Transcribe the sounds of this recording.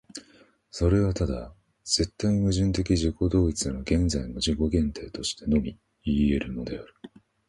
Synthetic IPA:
so̞ɾe̞βat̪ad̪a | z̥e̞t̪ːaiimɯ̟ʑɨ̃nt̪̬e̞k̬ʲiʑiko̞d̪o̞ːit͡sɨd̪aɾoɡẽ̞nzaino̞ʑiko̞ɡẽ̞nt̪e̞it̪o̞ɕi̥t̪e̞no̞mʲi | ieɾɯ̟no̞d̪e̞aɾɯ̟̥

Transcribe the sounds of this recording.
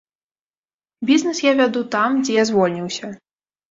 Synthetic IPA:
bʲiznɛsjavʲad̪ut̪amd͡zʲɛjazvɔlʲnʲiwsʲɐ

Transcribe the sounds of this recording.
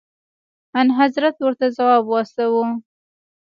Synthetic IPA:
anɦazɾat̪wəɾt̪azawɑbwɑst̪awu

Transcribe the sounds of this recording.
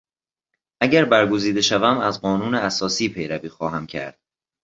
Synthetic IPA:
ʔæɟæɾbæɾɡo̞ziːd̪e̞ʃævæmæzɢɒːnuːneæsɒːsiːpʰe̞jɾæviːxɒːɦæmcʰæ̰ɾd̪̥

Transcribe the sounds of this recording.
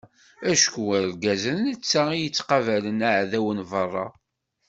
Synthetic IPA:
æʃkuælɡæzənnət͡sːæijət͡sːqɑvælənaʕðæwənvərˤːɑ̰

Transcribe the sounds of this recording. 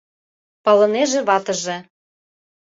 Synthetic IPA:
pɑlɤ̆neʒĕβɑt̪ɤ̆ʒĕ

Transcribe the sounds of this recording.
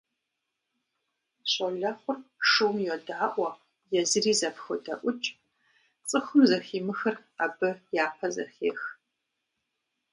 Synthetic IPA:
ɕʼɐɮɐχʷʊrʂɨwmjɔdaːʔʷɔ | jɛzɨriːzɐpxɨdɐ̰ʔʷʊt͡ʃʼ | t͡sʼɨxʷʊmzɐxiːmɨxɐr | a̰bɨjaːpʰɐzɐ̰xeːx

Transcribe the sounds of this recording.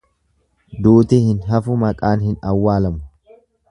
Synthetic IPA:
d̪uːt̪ɪhɪnɦɐfʊmɐkʼaːnhɪnɐwːaːlɐmʊ

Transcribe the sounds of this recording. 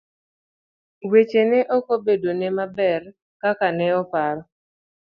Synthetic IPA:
wet͡ʃenɛʔokobedonɛmabɛr | kakanɛɔpaɾɔ

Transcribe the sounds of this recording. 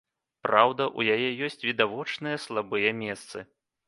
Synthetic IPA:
pɾawd̪ɐʔujajɛjɔsʲt͡sʲvʲid̪avɔt͡ʂnɨjɐslˠabɨjɐmʲɛst̪sɨ̰

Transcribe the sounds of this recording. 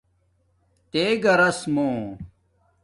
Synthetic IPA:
t̪eːɡɐɾɐsmõː

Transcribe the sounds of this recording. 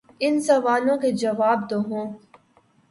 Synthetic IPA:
ɪnsɐʋaːlõked͡ʒɐʋaːb̚d̪oɦõː

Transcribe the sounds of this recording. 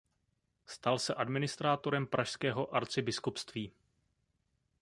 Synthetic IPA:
st̪alsɛʔadmɪnɪst̪ɾaːt̪o̞ɾɛmpɾʔaʃskɛːɦo̞ʔaɾt͡sɪbɪskupst̪viː

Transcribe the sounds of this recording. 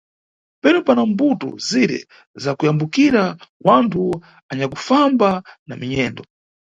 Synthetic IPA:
pɛnupanambutɔ̰ziɾɛ̰ | zakujambukiɾawantʰu | aɲakufambana̰miɲɛːndɔ

